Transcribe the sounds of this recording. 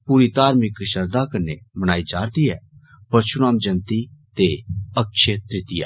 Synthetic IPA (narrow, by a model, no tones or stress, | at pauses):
puːɾit̪aːɾmɪkʃɐɾd̪akɐɾnemɐɽ̃aːid͡ʒaːɾd̪iɦɛː | pɐɾʃʊnaːmd͡ʒɐnt̪it̪eɐkʃet̪ɾɪt̪ɪja̰ː